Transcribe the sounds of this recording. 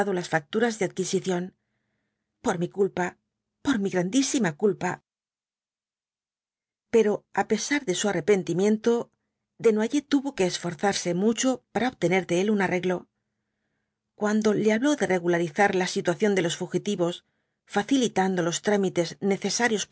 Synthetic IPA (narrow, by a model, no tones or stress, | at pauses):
ðolasfak̚t̪uɾazðe̞að̚kisiθjo̞n | po̞ɾmikulpa | po̞ɾmiɣɾand̪isimakulpa | pe̞ɾo̞ape̞saɾðe̞suare̞pe̞nt̪imjẽ̞nt̪o̞ | ðe̞nwaʝe̞t̪uβo̞ke̞ːsfo̞ɾθaɾse̞mut͡ʃo̞paɾaoβt̪e̞ne̞ɾðe̞elunare̞ɣlo̞ | kwand̪o̞le̞aβlo̞ðe̞re̞ɣulaɾiθaɾlasit̪waθjo̞nd̪e̞lo̞sfuxit̪iβo̞s | faθilit̪and̪o̞lo̞st̪ɾamit̪e̞zne̞θe̞saɾjo̞s